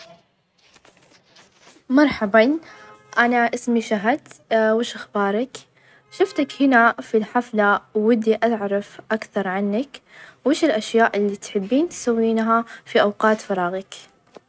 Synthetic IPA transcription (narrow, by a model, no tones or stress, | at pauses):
mɑɾˤħɑbɑn | ʔanaʔɪsmiʃaɦad̪wɪːʃʔaxbɑːɾˤɑk | ʃʊft̪akhɪnafilħaflawːɪd̪ːiʔaʕɾˤɑfʔakθɑɾˤʕanːakweːʃɪlʔaʃjaːʔɪlːit̪ħɪbːiːnt̪sawːiːnɦafiʔawqɑːt̪fɑɾˤɑːɣɪk